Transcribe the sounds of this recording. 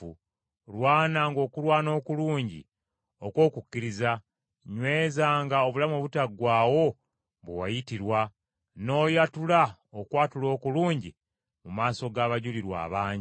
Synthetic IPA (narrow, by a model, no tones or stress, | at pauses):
u | lwaːnaŋɡo̞ːkulwaːno̞ːkuluːɲɟḭ | okwo̞ːkukːiɾiza | ɲwe̞ːzaːŋɡao̞βulamoβutaɡwaːwo̞ | βwewajitiɾwa | no̞ːjatulaokwaːtulo̞ːkuluːɲɟi | mumaːso̞ɡaːβaɟuliɾwa̰ːβaːɲi